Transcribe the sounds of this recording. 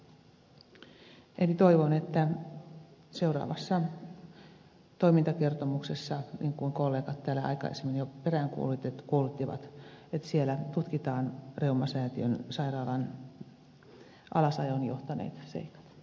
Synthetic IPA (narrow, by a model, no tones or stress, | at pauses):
enit̪oiʋonet̪ːæ | seurɑ̰ːʋɑsːɑ | t̪oimint̪ɑkert̪omuksesːɑniːŋkuiŋkolːeːkɑt̪tæːlæɑ̰ikɑ̰ḛsemːenjoperæŋkuolut̪ːet̪kuolut̪ːiʋɑ̰t̪et̪sielæt̪ut̪kit̪ɑːnreumɑsæːt̪iønsɑirɑːlɑn | ʔɑlɑsɑjonjoht̪ɑnḛːt̪sḛikɑ̥t̪